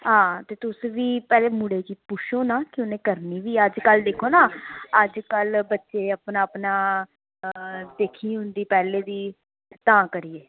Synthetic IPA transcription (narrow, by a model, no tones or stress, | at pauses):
ɦãːt̪eːt̪ʊsʋiːpɛːleːmʊɽeːkiːpʊʃʰoːnaːkɪoːnẽːkəɾniːʋiːəd͡ʒkəld̪eːkʰoːnãːəd͡ʒkəlbətːʃeːəpnaːəpnaː | d̪eːkʰiːɦʊnd̪iːpɛːleːd̪iː | t̪ãːkəɾieː